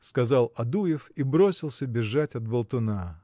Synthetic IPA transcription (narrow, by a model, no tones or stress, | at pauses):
skɐzɑlˠɐd̪ujɪfibɾo̞sʲɪlˠsʲəbʲɪʐːatʲɐt̪̚bəlˠt̪ʊna